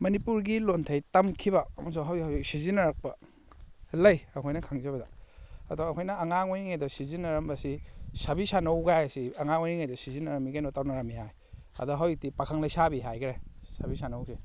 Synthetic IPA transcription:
mɐnipuɾɡilontʰɐjtɐmkʰibɐɐmɐs̬uŋɦawhawiksizinɐɾak̚pɐ | lɐjɐkʰojnɐkʰaŋzɐbɐdaɐdɔːkʰojnɐːŋaŋojniŋajdɔsizinɐɾɐmbɐsisabisanɐwɡajsiɐŋaŋojniŋajdɔsizinɐɾɐmiɡajnɔtawnɐɾamːiɦaj | ɐ̰dɔɦawik̚tipakʰaŋlɐjsabiɦajkɾajsabisanawsi

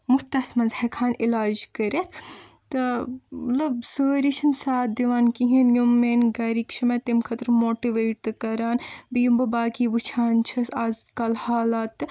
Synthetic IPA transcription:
mut̪ɐsmɐnzhɐkʰaːnilaːd͡ʒkɐɾet̪ʰt̪ɨmɐt̪lɐbsəːɾit͡ʃʰɐnsaːt̪̚d̪iʋaːnkiɦinjumːeːnɡɐɾikʃʰɐmet̪imkʰɐt̪ɾmoːʈiʋeːʈ̚t̪ɨkɐɾaːnbijumbɐbaːkiːʋut͡ʃʰaːnt͡ʃʰɐsazkɐlhaːlaːt̪ːɨ

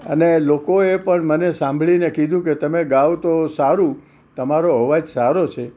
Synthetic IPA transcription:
ənelokoepəɳmənesãmbʱɭinekid̪ʱũket̪əmeɡaʋt̪osaɾũ | t̪əmaɾoɦəʋad͡ʒsaɾot͡ʃʰe

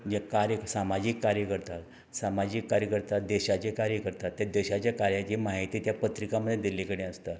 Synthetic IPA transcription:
d͡ʑekaɾjəksamad͡ʑiːkːaɾjəkəɾt̪at̪ | samad͡ʑiːkːaɾjəkəɾt̪ad̪eɕat͡ɕekaɾjəkəɾt̪at̪ːjad̪eɕat͡ɕjakaɾjat͡ɕiːmaɦit̪iːt̪japət̪ɾikaməd̪ʱjed̪ilːikəɽẽəst̪a

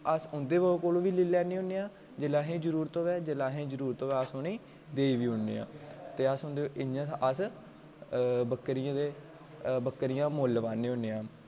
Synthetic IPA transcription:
əsʊnd̪eːʋəoːkoːlõːʋiːliːlɛːnẽːɦʊneːãː | d͡ʒelãːɦẽːd͡ʒəɾuːɾt̪õːʋɛːd͡ʒelãːɦẽːd͡ʒəɾuːɾt̪õːʋɛːəsoːneː | d̪eːiːʋiːɦʊnːḛːã̰ːt̪eːəsʊ̃nd̪eːʔɪãːəs | bəkːəɾɪjãːd̪eː | bəkːəɾɪjãːmoːlʋaːnẽːɦõneːãː

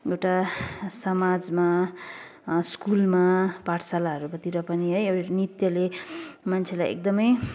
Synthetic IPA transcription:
ewʈasʌmad͡zma | skulmapaʈʰsalaɦʌɾubʌt̪iɾʌpʌniɦʌjewnit̪jʌlemant͡sʰelajḛk̚d̪ʌmʌj

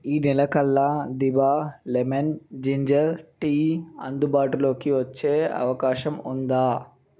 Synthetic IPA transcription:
iːnilɐkɐlːɐd̪ibaːlemend͡ʒiɲd͡ʒɐɾʈiːɐnd̪ubaːʈulo̞ːkiʋɐt͡ʃːe̞ːɐ̰ʋɐkaːʃɐmund̪aː

